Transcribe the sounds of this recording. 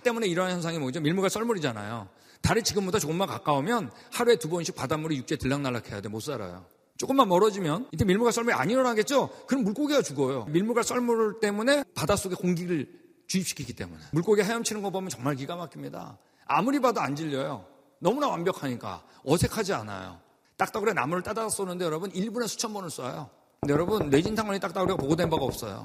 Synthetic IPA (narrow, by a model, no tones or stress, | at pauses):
t͈e̞mune̞iɾʌɦanjʌnsʰaŋimʌd͡ʑomiɭmuɡas͈ʰʌɭmuɾid͡ʑana̰jo̰ | taɾit͡ɕiɡɯmbodat͡ɕokɯmaka̰k͈aomjʌnhaɾue̞tubʌnɕʰik̚padamuɾijuk̚t͡ɕ͈e̞tɯɭːaŋnaɭːakʰe̞ja̰demosʰuaɾa̰jo̰ | t͡ɕ͈ok͈ɯmːanmʌɾʌd͡ʑimjʌnintemiɭmuɡas͈ʰʌɭmuɾia̰ɲiɾʌɾaɦaɡe̞t̚t͡ɕ͈okɯnʌmːuɭk͈oɡiɡat͡ɕuɡʌjomiɭmuɡas͈ʰʌɭmuɭt͈e̞mune̞padas͈oɡe̞koŋɡiɾɯɭ | t͡ɕuip̚ɕi̥kʰiki̥t͈e̞̰mune̞muɭk͈oɡiɦejʌmt͡ɕʰinɯnɡʌpomjʌnt͡ɕʌŋmaɭk̬iɡamakʰimɲida̰ | a̰muɾibadoand͡ʑiʎːʌjo̰ | nʌmunawambjʌkʰaɲik͈a̰ | ʌsʰe̞kʰad͡ʑia̰na̰jo̰ | t͈ak̚t͈aɡɯɾana̰muɾɯɭt͈adaas͈ʌnɯndejʌɾʌbuniɭbunesʰu̥t͡ɕʰʌnbʌnɯɭs͈ua̰jo̰ | ɯndejʌɾʌbɯnːe̞d͡ʑintʰaŋwʌɲit͈akt͈aɡuɾeapoɡodwenbaɡaʌ̰p̚s͈ʌ̰jo̰